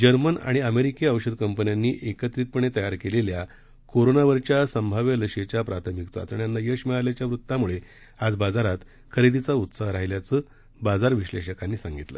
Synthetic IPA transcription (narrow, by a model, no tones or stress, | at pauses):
d͡ʑəɾməna̰ɽ̃iəmeɾikeəʋɕəd̪kəmpənjanːiːʔekət̪ɾiːt̪̚pəɳet̪əjaɾkelelja | koɾonaʋəɾt͡ɕjasəmbʱaʋjələɕet͡ɕjapɾat̪ʰəmikt͡sa̰t̪əɳijanːajəʂmɛɭaljat͡ɕjaʋɾut̪ːamuɭe | ad͡zbad͡zaɾat̪ | kʰəɾid̪it͡saut̪saɦɾaɦiljat͡sə | bad͡zaɾʋiɕleɕəkanːiːsãŋɡit̪lə̰